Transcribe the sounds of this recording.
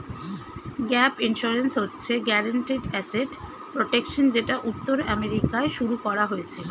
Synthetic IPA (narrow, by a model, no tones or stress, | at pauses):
ɡɛpinʃuɾensɦotːɕʰeɡɛɾaɳʈiɖɛseʈ | pɾoʈekʃond͡ʑeʈaʔut̪ːoɾɛmeɾikaeʃuɾukɔɾaɦojet͡ɕʰe